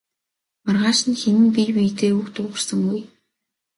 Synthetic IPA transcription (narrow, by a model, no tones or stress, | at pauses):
marʁaːʃɪ̆nxenɘ̆npijpijt̪eːukt̪ʊːʁə̆rsə̆ŋɡuj